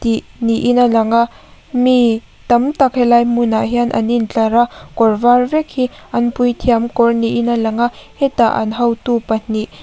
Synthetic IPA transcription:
t̪iʔniʔinalɐŋa | mi | t̪ɐmt̪ɐk̚hɛlajmunaʔɦianʔɐ̰nint͡ɬɐɾakɔrvarvɛk̚hiʔɐnpujt̪ʰiamkɔrniʔinalɐŋahɛt̪aʔɐ̰nɦɐwt̪upɐn̥iʔ

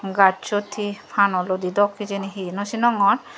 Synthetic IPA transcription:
ɡat͡ʃot̪ʰipʰanɔlod̪id̪ɔkːid͡ʒeniɦinosinɔŋɔn

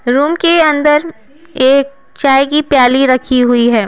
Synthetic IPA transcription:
ɾuːmkeɐ̃nd̪əɾ | eːk̚ | t͡ʃaːjkipjaːliɾɐkʰiɦʊiɦɛː

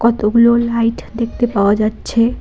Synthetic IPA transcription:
kɔt̪oɡulolaiʈd̪ekʰt̪epawad͡ʒat̪ːt͡ʃʰe

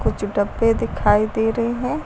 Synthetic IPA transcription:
kʊt͡ʃʰɖəbːed̪ɪkʰaːid̪eːɾəɦeɦɛ̃ː

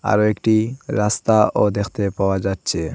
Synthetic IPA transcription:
a̰ɾoekʈiɾast̪aʔod̪ekʰt̪epaoad͡ʑatːɕʰe

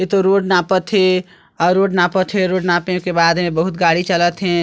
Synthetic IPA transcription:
et̪oɾoːɖnaːpət̪ɦe | ɔːɾɾoːɖnapət̪ʰɦeɾoːɖnaːpẽkebaːd̪mẽbəɦut̪ɡaɽit͡ʃələt̪ɦɛ̃

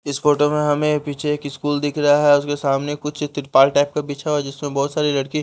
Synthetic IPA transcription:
ɪsfoːʈomẽɦɐmẽpiːt͡ʃʰeeːkɪskuːld̪ɪkʰɾɐɦaɦɛʊskesaːmnekʊt͡ʃʰt̪ɪɾpaːlʈɛːp̚kapiːt͡ʃʰaɦoɛd͡ʒɪsmẽbɔːt̪saːɾilɐɽki

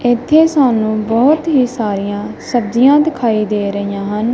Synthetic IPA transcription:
ɪt̪ʰːeːsaːnũːbɔːt̪ɦiːsaːɾijãːsəbd͡ʒɪjãːd̪ɪkʰaːiːd̪eːɾəɪjãːɦən

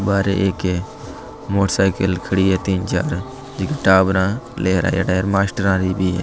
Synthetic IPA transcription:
baːɾḛʔeːke | moːʈsaːɪkəlkʰəɽiːɦeːt̪iːnt͡ʃa̰ːɾ | d͡ʒɪkeʈaːbɾãːleːɦɾa̰ːja̰ːɖaːəɾmaːsʈəɾãːɾiːbiːɦeː

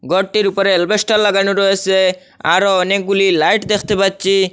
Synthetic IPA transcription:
ɡɔʈːiɾupɔɾeɛlbesʈaɾlaɡanuɾɔɦese | a̰ɾoɔnek̚ɡulilajʈd̪ekʰt̪epadt͡ʃi

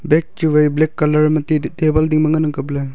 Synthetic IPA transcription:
bek̚tuwejblekːɐlɐɾmɐtitebɐldiŋmɐŋɐnɐŋkɐple

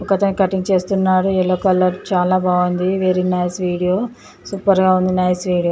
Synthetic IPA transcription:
ɔkɐt̪ɐnkɐʈːiŋɡt͡ʃe̞ːst̪unːaːɾuɛlːoːkɐlɐɾt͡ʃaːlaːbaːʋund̪iʋeɾinɐjsʋiːɽijo̞ː | suːpɐɾɡaːund̪inɐjsʋiːɽijoː

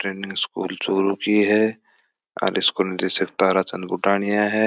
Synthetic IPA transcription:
ʈɾeːnɪ̃ŋɡskṵːlt͡ʃoːɾukiɦɛ | ɔ̰ːɾʔɪskonɪɾt̪eːʃɪk̚t̪aːɾat͡ʃɐnd̪bʊʈaːɽ̃ijaɦɛ

